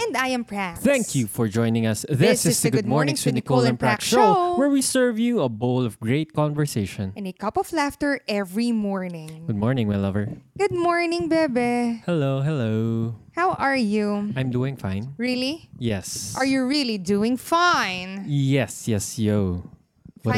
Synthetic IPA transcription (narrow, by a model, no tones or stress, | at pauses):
ɛ̃nd̪ajɛ̃mpɹæθæ̃ŋkkʰjufɔɹd͡ʒɔ̃ɪ̃nɪ̃ŋɐsðɪsɪsðɨɡʊd̪̚mɔɹnɪ̃ŋsɪ̃nikolˠɛ̃npɹakʃoʊwɛɹwisɜɹvjuɐbolɔvɡɹeɪt̪̚kɔ̃nvəɹseɪʃɔ̃nʔɛ̃nekʌpɔflæft̪əɹʔɛvɹimɔɹnɪ̃ŋɡɡʊd̪̚mɔɹnɪ̃ŋwɛlʌvə˞ɡ̥ʊd̪̚mɔɹnɪ̃ŋbɛbɛhɛloʊɦɛloʊhawʔəɹjuãj̃md̪uːɪ̃ŋfã̰ɪ̃nɹilijɛsʔaɹjuɹiliduɪ̃ŋfãɪnjɛsjɛsjoʊ | wʌ